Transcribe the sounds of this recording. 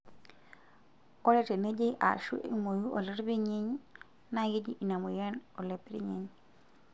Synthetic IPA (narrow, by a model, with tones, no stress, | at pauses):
o˦le˦te˨ne˦d͡ʒi˦ʔa̰˨ʃṵ˦ʔḭ˨mo˨ju˦ʔo˨le˦ɾbi˦ɲi˦ɲ | na˦ɡi˦d͡ʒi˦ʔi˨na˨mo˨je˦no˨le˨pe˦ɾḭ˦ɲe˨ɲ